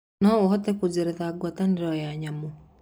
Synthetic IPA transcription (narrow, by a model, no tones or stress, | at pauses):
nɔohɔtɛkud͡ʒeɾɛðaɡwataniɾɔjaɲamo